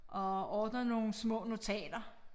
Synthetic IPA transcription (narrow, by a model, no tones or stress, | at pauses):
ʔɒ̽ɒːd̥nɐno̝ːn̩smɔ̰̽ːno̝t͡sʰɛ̰ːd̥ɐ